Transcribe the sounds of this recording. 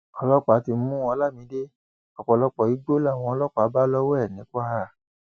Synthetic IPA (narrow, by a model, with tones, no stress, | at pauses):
ɔ˧lɔ˦k͡pa˨˦ti˧˦ũ˦wɔ̃˧˦la˦˨mĩ˨˦de˦ | ɔ˨k͡pɔ˨lɔ˧k͡pɔ˨i˨˦ɡ͡bo˦la˦˨w̃ɔ̃˧lɔ˦k͡pa˨˦ba˦lɔ˦wɛ˦ɛ˦˨nĩ˨˦ka˦ɾa˦˨